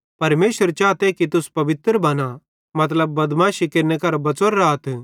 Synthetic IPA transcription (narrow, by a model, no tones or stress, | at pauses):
pɐɾmeːʃəɾt͡ʃaːt̪ekit̪ʊspɐʋɪt̪ɾbɐna | mɐt̪̬ləbːɐd̪mãʃikeɾnekɐɾbɐt͡soɾːaːt̪ʰ